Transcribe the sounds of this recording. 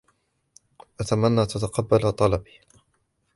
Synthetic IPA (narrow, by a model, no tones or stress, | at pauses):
ʔat̪amanːaːt̪at̪aqɑbːalat̪ˤɑlɑbi̥ː